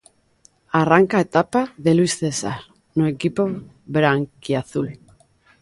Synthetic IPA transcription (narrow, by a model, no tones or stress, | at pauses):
araŋkae̞t̪apaðe̞luisðe̞sa̰ɾ | noekipo̞ | βeɾaŋkiaθul